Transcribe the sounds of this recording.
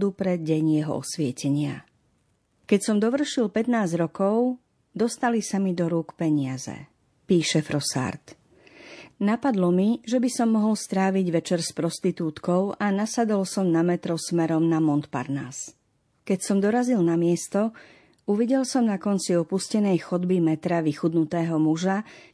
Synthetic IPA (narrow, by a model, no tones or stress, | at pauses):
d̪upɾɛɟɛɲjɛɦɔ̰ɔ̰sʋɪɛcɛɲɪa̰ | kɛcsɔmd̪ɔʋr̩ʃilpɛt̪naːzɟɾɔkɔʊ | d̪ɔst̪alisamid̪ɔɾuːkpɛɲɪazɛ̰ | piːʃɛfɾɔsa̰ɾt̪ | napad̪lɔmiʒɛbisɔmːɔɦɔlst̪ɾaːʋiɟʋɛt͡ʃɛɾspɾɔst̪it̪uːt̪kɔʊʔanasad̪ɔlsɔmnamɛt̪ɾɔsmɛɾɔmnamɔnt̪pa̰ɾna̰s | kɛcsɔmd̪ɔɾazilnamɪɛst̪ɔ | uʋiɟɛlsɔmnakɔnt͡siɔpuscɛnɛjxɔd̪bimɛt̪ɾaʋixud̪nut̪ɛːɦɔmuʒa